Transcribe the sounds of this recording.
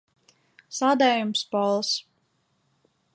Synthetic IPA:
saːd̪ɛːjumspɔlˠs

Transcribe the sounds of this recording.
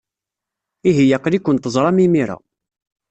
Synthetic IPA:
iɦijæqlikʷːənt̪əzˤɾˤɑmimiɾa̰

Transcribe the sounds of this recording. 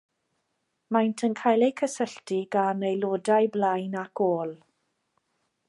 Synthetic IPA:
majntʰənkʰajlˠejkʰəsəɬtiɡanejloːdajblajnakʰoːlˠ

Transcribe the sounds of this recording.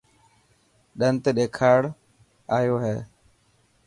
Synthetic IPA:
ɗənt̪ːɗeːkʰaːɽ | aːjoːɦeː

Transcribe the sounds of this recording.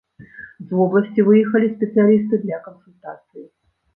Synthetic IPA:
zvɔblˠɐsʲt͡sʲivɨjɛxɐlʲisʲpʲɛt̪sɨjalʲis̬t̪ɨd̪lʲɐkənsulʲt̪a̰t̪sɨji

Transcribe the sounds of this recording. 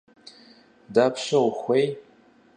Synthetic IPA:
dapʰʃawχʷej

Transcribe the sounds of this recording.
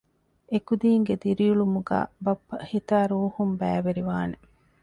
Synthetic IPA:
ekud̪iːŋɡed̪iɾijuɭumuɡa̰ːbɐpːɐhit̪aːɾuːhumbæːʋeɾiʋaːne

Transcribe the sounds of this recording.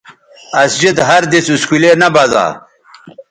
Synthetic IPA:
ɐsd͡ʑid̪ɦɐɾd̪isuskulenɐbɐza̰ː

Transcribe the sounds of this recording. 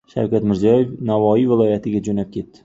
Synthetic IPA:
ʃa̰wkʲat̪mɪɾzijɒje̞fnavɒivɪlˠɒjat̪ʰɪɡʲad͡ʒonap̚kʲʰe̞t̪ːɪ̥

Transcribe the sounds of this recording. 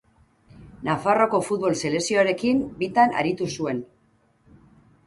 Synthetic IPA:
nafaro̞ko̞fut̪βo̞lse̞le̞sio̞aɾe̞kimbit̪ana̰ɾit̪usue̞n

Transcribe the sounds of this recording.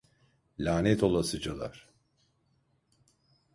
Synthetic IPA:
lʲaːnɛt̪ʰo̞lˠasɯd͡ʒalˠa̰ɾ̥

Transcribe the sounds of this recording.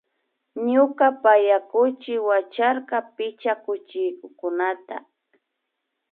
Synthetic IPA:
ɲʊkapajakʊt͡ʃɪwat͡ʃaɾqɑpɪt͡ʃakʊt͡ʃɪjkʊkʊnat̪a̰

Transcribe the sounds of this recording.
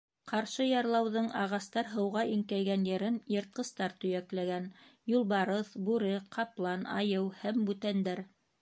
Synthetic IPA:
qɑɾʃɤjɑɾlˠɑwðɤɴɑʁɑst̪ɑɾɦɤ̆wʁɑʔiŋkæjɡænjɘ̆ɾɘnjɤ̆ɾt̪̚qɤ̆st̪ɑɾt̪ɵ̆jæklæɡænjulˠbɑɾɤθbʉɾɘqʰɑplˠɑnɑ̰jɤwhæmbʉt̪ænd̪æɾ

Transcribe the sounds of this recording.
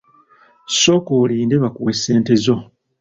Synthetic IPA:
so̞koliːndeβakuwesːe̞ːnte̞zo̞

